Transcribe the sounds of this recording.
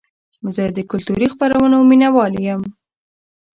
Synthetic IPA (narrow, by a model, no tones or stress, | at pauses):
zəd̪əkʊlt̪uɾixpaɾawənominawɑljəm